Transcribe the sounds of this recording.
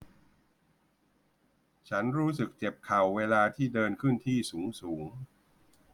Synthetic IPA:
t͡ɕʰa˦˥nɾuː˦˥s̬ɯ˨˩k̚t͡ɕe˨˩p̚kʰa˨˩wːeː˧laː˧t̪ʰiː˥˩dɤː˧nkʰɯ˥˩nt̪ʰiː˥˩suː˩˦ŋsuː˩˦ŋ

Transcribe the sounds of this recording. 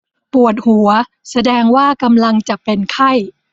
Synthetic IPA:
pu˨˩ət̪̚hu˩˦ɐ | sa˧dɛː˧ŋwaː˥˩ka˧mla˧ŋt͡ɕa˨˩pe˧nkʰa˥˩j

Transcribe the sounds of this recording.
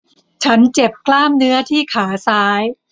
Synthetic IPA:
t͡ɕʰa˦˥nt͡ɕe˨˩p̚klaː˥˩mnɯ˦˥ɐt̪ʰiː˥˩kʰaː˩˦saː˦˥j

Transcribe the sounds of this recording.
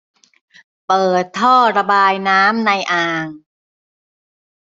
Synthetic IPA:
pɤː˨˩t̪ʰːɔː˥˩ɾa˧baː˧jnaː˦˥mna˧jʔaː˧ŋ

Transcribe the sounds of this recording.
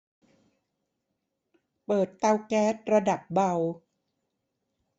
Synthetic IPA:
pɤː˨˩t̪ːa˧wkɛː˦˥t̪̚ɾa˧da˨˩p̚ba˧w

